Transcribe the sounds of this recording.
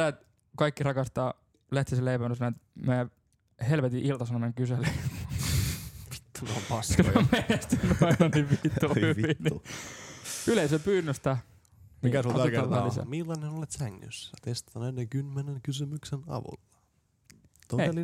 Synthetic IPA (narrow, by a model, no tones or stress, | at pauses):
æːt̪ | kɑikːirɑkɑst̪ɑː | læht̪iseleipæmnøsnæˑt̪mæː | helʋet̪iʔilt̪ɑsɑnomeŋkyselemː | ʋi̥t̪ːunmpɑskɑɑmenest̪ynːyɑinɑniʋʋit̪ːuhyʋinni | yleisepyːnːøst̪æ | nikæsolkːææisæ̰milːɑnenolet̪sæŋːy̰sːt̪est̪ɑnennekymːeneŋkysymyksenɑ̰ʋṵlːɑ̥ | t̪oeli